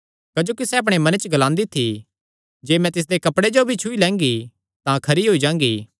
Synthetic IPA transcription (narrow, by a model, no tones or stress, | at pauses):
kɐd͡ʒoːkisɛɐp̬ɽ̃emɐnət͡ʃɡɐlãːnd̪it̪ʰi | d͡ʒeːmɛ̃t̪ɪs̬d̪ekɐpɽed͡ʒobʱit͡ʃʰuilɛ̃ːŋɡi | t̪ãkʰɐɾiɦoːid͡ʒãːŋ̆ɡḭː